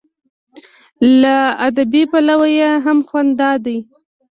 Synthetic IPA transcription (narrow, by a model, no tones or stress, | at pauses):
laad̪abipalawajeɦamxwand̪ɑd̪aj